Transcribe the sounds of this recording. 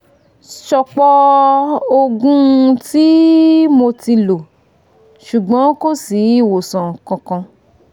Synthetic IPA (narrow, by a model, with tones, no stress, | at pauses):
ʃɔ˧k͡pɔ˧ | o˧ɡũ˦˧ti˦mo˧ti˧lo˨ | ʃu˨ɡ͡bɔ̃˨˦ko˦si˨˦i˦˨wo˨sã˨kɔ̃˧kã˧